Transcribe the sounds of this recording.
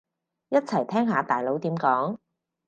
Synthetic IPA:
jɐ˥t̚t͡sʰɐ˨˩jt̪ʰɛː˥ŋɦaː˨˧t̪aː˨jlo˨˧wt̪iː˨˥mkɔː˨˥ŋ

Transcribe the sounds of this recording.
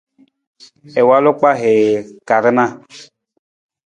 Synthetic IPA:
ɛ˨wa˦lo˦k͡pa˦ɦɛ˨ka˨ɾɨ˦nã˦˨

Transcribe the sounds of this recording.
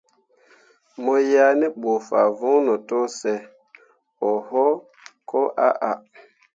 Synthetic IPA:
mɔ˨ja˦nɛ˦ɓo˨fa˨vɔ̃˦nɔ˨to˦sɛ˨ | ɔ˨hɔ˦ | kɔ˦ʔa̰˦ʔa˨

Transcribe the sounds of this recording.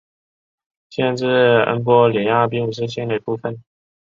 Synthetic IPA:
ɕjɛ˥˧nʈ͡ʂɻ̩˥˩ə̰˧˥ŋkwɔ˧˥ljɛ˨˩nja˥˩p̬i˥ŋu˨˩ʂ̬ɻ̩˥˧ɕɛ˥nd̪ə˨˩i˧˥˩pu˥˩fə˨˩˦n

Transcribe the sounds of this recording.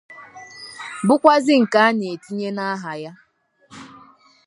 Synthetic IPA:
bʊ˦kʷa˦zɪ˦ŋ̩˨ka˦a˦ne˨e˨ti˦ɲe˦na˦ɦa˨ja˦

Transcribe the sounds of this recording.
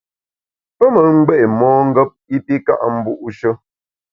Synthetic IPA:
pə˦mə˨ŋ̩˦ɡ͡bɛ˦ʔmɔː˦ŋ̩˦ɡə˦p̚i˦pi˦ka̰˦ʔm̩˦bu˦ʔu˦ʃə˦

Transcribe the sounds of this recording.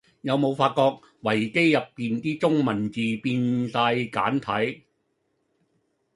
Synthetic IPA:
jɐ˨˧wmo˨˧wfaː˧t̚kɔː˧k̚ | wɐ˨˩jke˥jːɐ˨pːiː˨nt̪iː˥t͡sʊ˥ŋmɐ˨˩nt͡siː˨piː˧nsaː˧jka̰ː˨˥nt̪ʰɐ˨˥j

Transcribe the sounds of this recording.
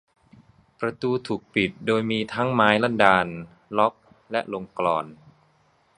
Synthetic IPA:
pɾa˧t̪uː˧t̪ʰuː˨˩k̚pi˨˩t̪̚doː˧jmiː˧t̪ʰa˦˥ŋmaː˦˥jla˥˩ndaː˧n | lɔ˦˥k̚ | lɛ˦˥ʔlo˧ŋklɔ̰ː˧n

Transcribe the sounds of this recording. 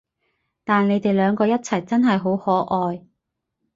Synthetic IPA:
t̪aː˨nle˨˧jt̪e˨jlœː˨˧ŋkɔː˧jɐ˥t̚t͡sʰɐ˨˩jt͡sɐ˥nɦɐ˨jɦo˨˥whɔː˨˥ʔɔː˨˧j

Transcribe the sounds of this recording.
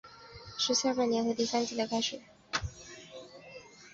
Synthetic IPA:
ʂɻ̩˧˥ɕja˥˩pa˥˩njɛ˧nxɤ˧˥t̪i˥˩sa˥nt͡ɕi˧˥˩d̪ə˧˩kʰa˥ɪʂɻ̩˨˩˦

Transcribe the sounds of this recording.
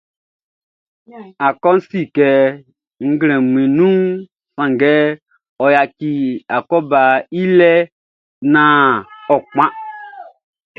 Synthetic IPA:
a˨kɔ˦n̩˦si˦˨kɛ˨ | ŋ̩˦ɡlɛ̃˨m˨ĩ˨nũ˦ | sã˨ŋɡɛ˦ | ɔ˨ja˨ki˨a˨kɔ˦ba˨i˦lɛ˦ | nã˦ɔ˨k͡pã˦

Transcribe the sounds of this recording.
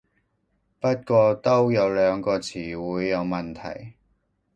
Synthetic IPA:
pɐ˥t̚kʷɔː˧t̪o˥wjɐ˨˧wlœː˨˧ŋkɔː˧t͡sʰiː˨˩wuː˨˧jːɐ˨˧wmɐ˨nt̪ʰɐ̰˨˩j

